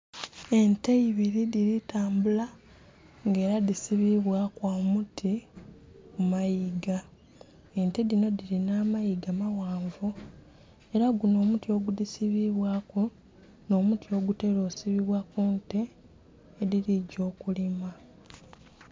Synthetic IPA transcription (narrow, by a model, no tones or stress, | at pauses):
e̞nte̞iβiɾidiɾitaːmbula | ŋɡe̞ːɾaðisiβiβwakwamutʰi | kumajiɡa | e̞ntedino̞diɾinaːmajiɡamawaːɱvu | e̞ɾaɡuno̞ːmutio̞ɡudisiβiβwaku | no̞ːmutio̞ːɡute̞ɾo̞ːsiβiβwakunte̞ː | ðiɾiɟo̞ːkulima